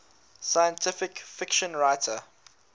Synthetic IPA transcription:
sajə̃ntʰɪfɪkfɪkʃə̃nɹaɪtʰə

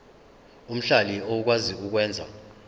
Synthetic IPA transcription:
um̩ɬaliouk̬waziuk̬wɛːnd͡zʱa̰

